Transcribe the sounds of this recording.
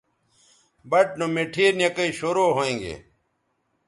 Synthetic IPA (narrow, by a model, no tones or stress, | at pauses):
bɐʈ̚nomeʈʰiːɾnjɐkɐiɕoːɾoːɦoẽːŋɡḛː